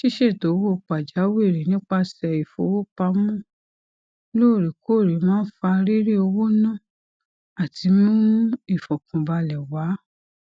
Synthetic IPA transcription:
ʃi˦ʃe˦˨to˨˦wo˦˨k͡pa˨d͡ʒa˨˦we˦˨ɾi˨nĩ˦k͡pa˧sɛ˧˨i˨fo̰˧˦wo˦k͡pa˧˦mũ˦˨ | lo˦˨ɾi˨ko˦˨ɾi˨˦mãː˦n̩˦fa˧ɾi˦ɾi˦o˧wo˦nã˦˨ | a˨tʰi˨˧˦mũ˦i˦˨fɔ˨kũ˨ba˧lɛ˨wa˨˦

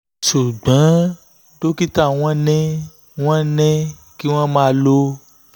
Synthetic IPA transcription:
ʃu˨ɡ͡bã˨˦ | do˦ki˦ta˦˨w̃ɔ̃˦nɛ̃˦ | w̃ɔ̃˦nɛ̃˦ | ki˦w̃ɔ̃˦mã˦˧˦lo˧

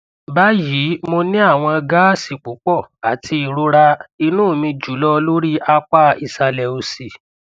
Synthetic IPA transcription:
ba˦ji˨˦mo˧nĩ˦a˦˨w̃ɔ̃˧ɡa˦si˨k͡pu˨˦k͡pɔ˦˨a˨tʰi˧i˨ɾo˧˦ɾa˧i˧nũː˦˨mĩ˧d͡ʒu˨˦lɔ˦lo˦ɾi˦ʔa˧k͡pa˦i˨sa˧lɛ˧o˧si˨

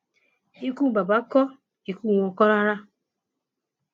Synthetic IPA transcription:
i˦ku˦˨ba˨ba˨˦kɔ˦ | i˨ku˦˨ɔ˨kɔ˦ɾa˦ɾa˦

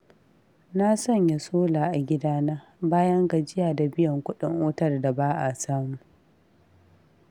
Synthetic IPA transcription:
na˦sɐ˦˨ɲja˨soː˦laː˨ʔa˨ɡʲɪ˦daː˦naː˦baː˦jɐ˦ŋɡa˨d͡ʒɪ˦jaː˨da˨bɪ˦jɐ˨ŋkʷʊ˦ɗɪ˨ŋʔoː˦tɐ˦˨rda˨baː˦ʔa˨saː˦mu˦

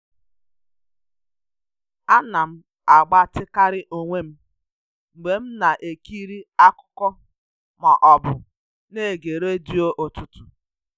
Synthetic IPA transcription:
a˦na˨m̩˦ | a˨ɡ͡ba˦tɪ˦ka˦ɾɪ˦ʔo˨ŋʷe˦m̩˦ | ŋ͡m̩˨ɡ͡be˨m̩˦na˨ʔe˨ki˦ɾi˦a˦kʊ̥˦kɔ˦ | ma˨ʔɔ˨bʊ˨ | ne˦˨ɡe˨ɾe˦di˦o˦ʔo˨tu˦tu̥˨

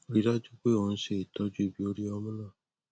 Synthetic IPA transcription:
o˦ɾi˦ɾa˦d͡ʒu˦k͡pe˦o˨ñ̩˦ʃe˧˨i˨tɔ˦d͡ʒu˦i˨bi˨˦o˧ɾi˦ɔ˧mũ˦lã˦˨

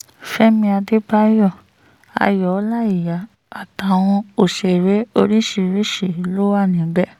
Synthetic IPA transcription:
fɛ˦mĩ˧a˧de˦ba˦jɔ˦˨ | a̰˧˨jɔ˨˦la˦i˦˨ja˨ | a˨ta˨w̃ɔ̃˧o˨ʃe˨ɾe˨˦o˧ɾi˦ʃi˧˨ɾi˦ʃi˨˦lo˦wa˦˨nĩ˨˦bɛ˦˨

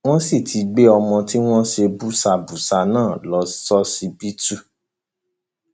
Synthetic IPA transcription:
w̃ɔ̃˦si˦˨tʰi˨˦ɡ͡be˦ɔ˧mɔ̃˧ti˦w̃ɔ̃˦ʃe˧bu˦sa˧bu˨sa˧nãː˦˨lɔ˨˦sɔ˦si˧bi˦tu˦˨

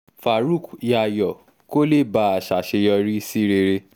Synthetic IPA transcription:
fa˨ɾu˦˨kja˧jɔ˨ | ko˦le˦˨ba˧˦a˨ʃa˨ʃe˧jɔ˧ɾi˦si˦ɾe˧ɾe˧

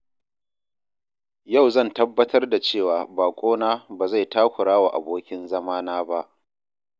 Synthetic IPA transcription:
ja˦˨wzɐ˦˨ntɐ˦bːɐ˦tʰɐ˦rda˨t͡ʃeː˦˨waː˨baː˨kʷʼoː˦naː˦baː˨za˦˨jtaː˦kʷʊ˨ɽaː˦wa˨ʔa˨boː˦kʲɪ˦nzɐ˦maː˦naː˦ba˦ʔ

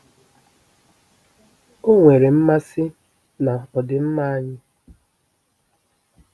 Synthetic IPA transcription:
o˦ŋʷe˨ɾe˨m̩˦ma˦sɪ˦ | na˨ɔ˨dɪ˨m̩˦ma˦a˦ɲɪ˦

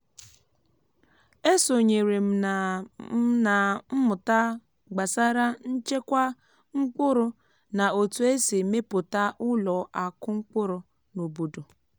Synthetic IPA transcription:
e˦so˨ɲe˨ɾe˨m̩˨˦ | na˨m̩˦mʊ˨ta˦ | ɡ͡ba˨sa˦ɾa˦n̩˦t͡ʃe˦kʷa˦ | ŋ͡m̩˦k͡pʊ˦ɾʊ˨ | na˨o˨tu˨e˦se˨me˦pʊ˨ta˦ʔʊ˦lɔ˨ʔa˨kʊ˦ŋ͡m̩˦k͡pʊ˦ɾʊ˨ | no˨bo˨do˨

